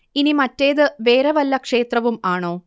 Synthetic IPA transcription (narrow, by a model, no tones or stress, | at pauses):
inimɐtːe̞ːðɨʋe̞ːɾɐʋɐlːɐkʂe̞ːt̪rɐʋumaːɳo̞ː